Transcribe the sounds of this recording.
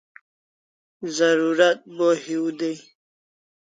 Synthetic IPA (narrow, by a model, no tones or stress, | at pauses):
zaɾuɾat̪̚bohiwd̪ej